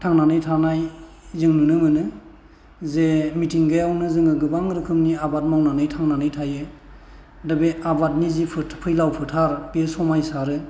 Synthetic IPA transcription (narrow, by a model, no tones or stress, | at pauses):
tʰaŋnanɯjtʰanaj | zɯŋnɯnɯmɯnɯ | zemitʰiŋɡɯjawnɯzɯŋɯɡɯbaŋɾɯkʰɯmniabat̚mawnanɯjtʰaŋnanɯjtʰajɯ | dabeabat̚nizipʰɯpʰɯjlawpʰɯtʰaɾbesɔmajsaɾɯ